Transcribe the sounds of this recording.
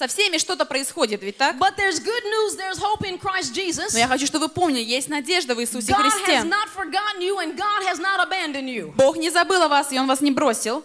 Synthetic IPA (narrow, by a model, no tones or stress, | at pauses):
sɐfsʲemʲɪʂt̪o̞t̪əpɾəɪsxo̞dʲɪt̪vʲɪt̚ʲt̪akbʌt̪̚ðə˞zɡʊdⁿnuzðə˞zhoʊpɪ̃nkʰɹ̥aɪstd͡ʒizəsnojaxɐt͡ɕuʂt̪o̞bəvɨpo̞mnʲɪlʲɪjesʲtʲnɐdʲe̞ʐd̪əvɨsusʲɪxɾʲɪdsʲtʲeznətfəɹɡɑʔn̩juə̃nɡɑdɦɨznəɾəbæ̃ndə̃njubo̞xnʲɪzɐbɨlˠɐvasɪo̞nvasnʲɪbɾo̞sʲɪlˠ